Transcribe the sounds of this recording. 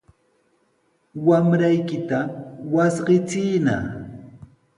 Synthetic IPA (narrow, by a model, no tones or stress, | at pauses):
wamɾajkɪt̪awasɢɪt͡sɪjna̰